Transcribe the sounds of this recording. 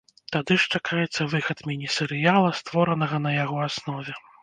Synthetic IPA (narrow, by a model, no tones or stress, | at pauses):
t̪ad̪ɨʂt͡ʂakʰajɛt̪sːɐvɨxɐt̪mʲinʲisɛɾɨjalˠɐst̪vɔɾɐnɐɣɐnɐjaɣɔasnɔvʲɛ